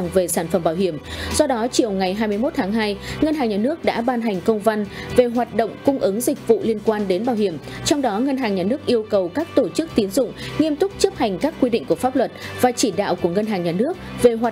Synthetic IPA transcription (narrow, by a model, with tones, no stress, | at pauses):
ŋve˨˩saː˧˩nfə˧˩mɓaː˧˩whi˧˩əmsɔ˧ɗɔ˨˦t͡ɕi˨˩əwŋa˨˩jɦaː˧jm˧əjmo˦˥t̚t̪ʰaː˨˦ŋɦaː˧jŋə˧nɦaː˨˩ŋɲaː˨˩nɨ˦˥ək̚ɗa̰ː˧˥ɓaː˧nɦa˨˩jŋ̟kə˧wŋ͡mva˧nve˨˩ɦwaː˨˩t̚ɗo̰˧˨ŋ͡mkʊ˧ŋ͡mʔɨ˨˦ŋzï˨˩k̟̚vṵ˧˨li˧ənkwaː˧nɗe˨˦nɓaː˧˩whi˧˩əm | t͡ɕɔ˧wŋ͡mɗɔ˨˦ŋə˧nɦaː˨˩ŋɲaː˨˩nɨ˦˥ək̚ʔi˧əwkə˨˩wkaː˦˥k̚t̪o˧˩t͡ɕɨ˦˥k̚t̪i˨˦nzʊ̰˧˨ŋ͡mŋi˧əmt̪ʊ˦˥k͡p̚t͡ɕə˦˥p̚ha˨˩jŋ̟kaː˦˥kːwi˧ɗḭ˧ŋ̟ku˧˩əfaː˦˥p̚lwə˨˩t̚vaː˨˩t͡ɕi˧˩ɗa̰ː˧˨wku˧˩əŋə˧nɦaː˨˩ŋɲaː˨˩nɨ˦˥ək̚ve˨˩ɦwaː˨˩